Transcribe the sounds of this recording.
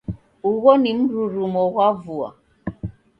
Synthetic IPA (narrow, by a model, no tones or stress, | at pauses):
uɣɔnim̩ɾuɾumɔɣavua̰